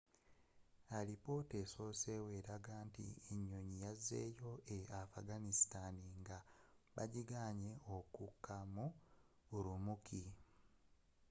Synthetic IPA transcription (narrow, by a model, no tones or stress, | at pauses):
alipo̞teso̞se̞ːwe̞ɾaɡaːntḭeɲːo̞ɲijazːe̞̰ːjo̞ʔeafaɡanistaniŋɡaβa̰ɟiɡaːɲe̞okukːamu | uɾumukʰi